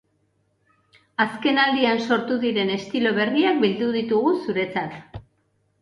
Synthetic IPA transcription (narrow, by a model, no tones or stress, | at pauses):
aske̞nald̪ianso̞ɾt̪uðiɾe̞ne̞st̪ilo̞β̞e̞riak̚bild̪uð̞it̪uɣusuɾe̞t͡sat̪